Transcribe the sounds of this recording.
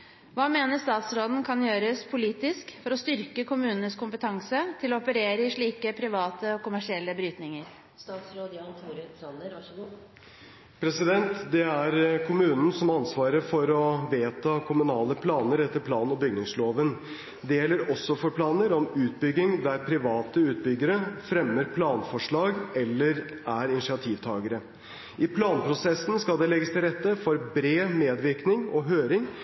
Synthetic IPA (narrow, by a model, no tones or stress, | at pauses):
ʋɑːmeːnəʂt̪ɑːt̪sɾoːd̪n̩kʰɑnjøːɾəspʰʊliːt̪ɪskfɔɾɔst̪ʏɾkəkʰʊmʉːnənəskʰʊmpət̪ʰɑŋsət̪ʰɪlɔɔpəɾeːɾəɪʂɭiːkəpʰɾɪʋɑːt̪əɔkʊmæʂɪɛlːəbɾyːt̪nɪŋəɾ | st̪ɑːt̪sɾoːd̪jɑt̪ʰuːɾət̪ʰɾɑə | pʰɾɛsɪd̪ɛnt̪d̪ɛæɾkʰʊmʉːnn̩sɔmɑnsʋɑːɾəɾfɔɾɔʋeːt̪ʰɑkʰʊmʉnɑːləpʰlɑːnəɾɛt̪ːəɾpʰlɑːnɔbʏɡnɪŋsloːʋən | d̪ɛjɛlːəɾɔsːɔfɔɾpʰlɑːnəɾɔmʉːt̪̚bʏɡːɪŋd̪æɾpʰɾɪʋɑːt̪əʉːt̪̚bʏɡːəɾəfɾɛmːəɾpʰlɑːnfɔʂɭɑːɡɛlːəɾ | æɾɪnɪʂɪɑt̪ʰiːʋt̪ʰɑːɡəɾə | ʔɪpʰlɑːnpʰɾʊsɛsn̩skɑlˠd̪ɛlɛɡəst̪ʰɪlɾɛt̪ːəfɔɾbɾeːmeːd̪ʋɪɾknɪŋɔɦøːɾɪŋ